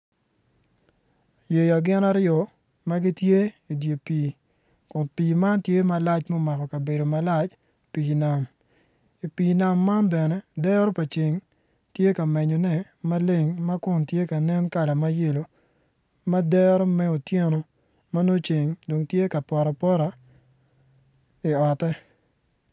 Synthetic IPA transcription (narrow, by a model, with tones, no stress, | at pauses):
je˨jɔ˨ɡɪ˦na˦ɾjɔ˨ | ma˦ɡi˦tje˦i˨dje˨piː˨ | kʊ˨npiː˨ma˦ntje˦ma˨la˦t͡ʃmo˦ma˨kɔ˨ka˨be˨do˨ma˨la˦t͡ʃ | pi˨na˨m | i˨piː˨na˨mːa˦nbɛ˨nɛ˦dɛ˦ɾo˦pa˨t͡ʃi˨ŋ | tje˦ka˨mɛ˨ɲɔ˨nɛ˦ | ma˦le˦ŋma˦kʊ˨ntje˦ka˨nɛ˦nka˨la˨ma˦je˦lo˨ | ma˦dɛ˦ɾɔ˦mɛ˦o˨tje˦no˨ | ma˦no˦t͡ʃe˨ŋdo˨ŋtje˦ka˨pɔ˨ɾa˨pɔ˦ɾa˨ | i˨ɔ˨tɛ˦